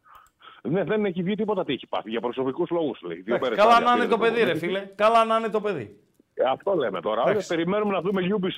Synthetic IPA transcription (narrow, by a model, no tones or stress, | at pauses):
neðenneçiðʝit̪̬ipot̪ɐt̪içi̥pɐ̰θiʝɐpɾoso̞pikuzlo̞ɣuslḛçiðioɐkmeɾeskɐlɐnɐnet̪ope̞ðiɾefilekɐlɐnɐnet̪o̞pe̞ðḭ | ɐft̪o̞lemet̪o̞ɾɐoɐespeɾime̞numenɐðumeʎubis